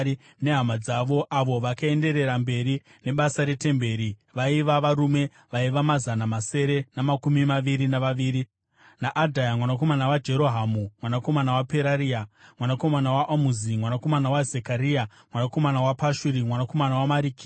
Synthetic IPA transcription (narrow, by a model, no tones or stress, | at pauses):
i | ne̞ɦamad͡zaʋo̞ʔaʋo̞ʋakae̞nde̞ɾe̞ɾambe̞ɾi | ne̞ɓasaɾe̞te̞mbe̞ːɾiʋaiʋaʋaɾume̞ | ʋaiʋamazanamase̞ɾe̞namakumimaʋiɾinaʋaʋiːɾi | naʔadʱajamwanako̞manawad͡ʒe̞ɾo̞ɦamumwanako̞manawape̞ɾaɾiamwanako̞manawaʔamuzimwanako̞manawazekaɾia | mwanako̞manawapaʃuɾimwanako̞manawamaɾiːki̥